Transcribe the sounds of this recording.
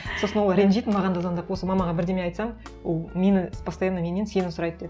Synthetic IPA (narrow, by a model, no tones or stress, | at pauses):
so̞sənwolˠɾʲenʒijt̪ɪnmɑʁɑnd̪ɑzɑnd̪ɑpwo̞səmɑmɑʁɑbɪɾd̪e̞mejɑjt̪sɑmwolˠme̞nɪbɑst̪ɑjɑnɑmʲenense̞nɪnsʊɾɑjt̪̚d̪ed̪ɪ